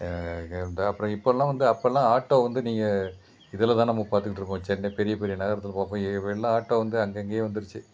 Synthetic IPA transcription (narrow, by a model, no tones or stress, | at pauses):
ɐnd̪aɐpːɯɾɐ̃ɪpːoːlːãːʋɐnd̪ɯɐpːoɛlːãːaːʈːoːʋɐnd̪ɯniːŋɡɐ | ɪðɛlːɐt̪ãːnɐmːɐpaːɾt̪ɯkːɪʈːɾɯkːõːʋɐt͡ʃːɐnːepɛɾɪjɐpɛɾɪjɐnɐɣɐɾɐt̪ːɪlpaːpːõɐɛlːãːaːʈːoːʋɐnd̪ɯɐŋɡɐɪŋɡejeːʋɐnd̪ɯɾɯt͡ʃːɯ